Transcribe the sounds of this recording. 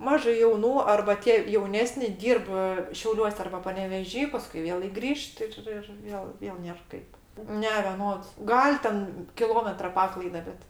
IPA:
ˈmɑːʒɐɪ jɛʊˈnuː ɐrbɐ ˈtʲiɛ jɛʊˈnʲæːsʲnʲɪ ˈdʲiːrp ˈʃʲɛʊlʲuɔsʲ ɐrbɐ pɐnʲɛʋʲɛˈʒʲiː ˈpɑːskʊɪ ˈʋʲeːlˠɐɪ ɡˈrʲiːʃt ˈɪr ɪr ˈjoː ˈʋʲeːlˠ ˈnʲeːr ˈkɐɪp ˈnʲɛ ʋʲɛˈnoːts ˈɡɐlʲ tʲɛn kʲɪˈlˠoːmʲɛtrɐ ˈpɑːklˠɐɪdɐ ˈbʲɛt

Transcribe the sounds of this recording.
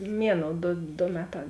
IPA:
ˈmʲiɛˌnoːʊ ˈdoː doː ˈmʲæːˌtɑː

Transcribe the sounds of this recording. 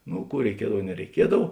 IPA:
ˈnʊ ˈkuː rʲɛɪˈkʲiɛdɐw nʲɛrʲɛɪˈkʲiɛdɐw

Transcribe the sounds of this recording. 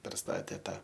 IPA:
pʲɛrˈstɑːtʲeː ˈtɑː

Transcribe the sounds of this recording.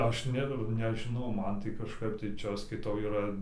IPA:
ˈɐʃ ˈnʲɛ nʲɛʒʲɪˈnɐʊ ˈmɐn tɐɪ kɐʃˈkɐɪp tɐɪ ˈt͡ʃʲɛ ˈɐʃ skɐɪˈtɐʊ iːˈrɐ

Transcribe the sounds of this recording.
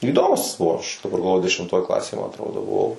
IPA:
iːˈdoːmʊs ˈɐʃ pɐɡɐlˠˈʋoːjʊ dʲɛʃʲɪmˈtoːj ˈklˠɑːsʲeːj mɐ ɐtˈroːdoː bʊˈʋɐʊ

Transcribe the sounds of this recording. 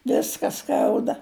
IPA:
ˈʋʲɪskɐ ˈskɐʊdɐ

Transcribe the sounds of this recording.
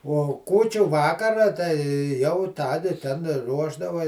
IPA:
ˈuɔ ˈkuːt͡ʃʲʊ ˈʋɑːkɐrɐ tɐɪ ˈjɛʊ ˈtɑːdʲɪ tʲɛn ˈruɔʒdɐʋɐ

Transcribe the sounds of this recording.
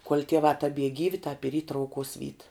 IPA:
kuɔlʲ tʲiɛˈʋɑː tɐˈbʲiɛ ˈɡʲiːʋʲɪ tɑːp ɪr iː trɐʊˈkuɔs ʋʲiːt

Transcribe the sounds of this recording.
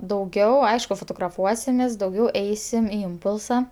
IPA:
dɐʊˈɡʲɛʊ ˈɐɪʃkʊ foːtoːɡrɐˈfuɔsʲɪmʲeːs dɐʊˈɡʲɛʊ ˈɛɪsʲɪm ɪ ˈɪmpʊlˠsɐ

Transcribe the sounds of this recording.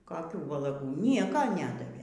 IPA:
koːˈkʲuː ʋɐlˠɐˈɡuː ˈnʲiɛkoː ˈnʲæːdɐʋʲeː

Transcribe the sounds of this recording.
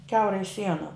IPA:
ˈkʲɛʊrɐɪ ˈsʲiɛnɐ

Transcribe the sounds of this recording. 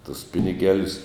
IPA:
tʊs ˈpʲɪnʲɪˌɡʲæːlʲʊs

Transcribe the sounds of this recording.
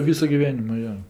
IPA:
ˈʋʲiːsʊ ɡʲɪˈʋʲæːnʲɪmʊ ˈjoː

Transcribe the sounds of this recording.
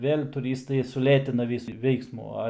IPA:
ˈʋʲeːlʲ tʊˈrʲiːstɐɪ sʊˈlʲeːtʲɪnɐ ˈʋʲiːsʊ ˈʋʲɛɪksmʊ ˈɐ

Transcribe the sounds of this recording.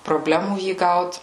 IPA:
proːˈbʲlʲæːmuː ˈjiː ˈɡɐʊt

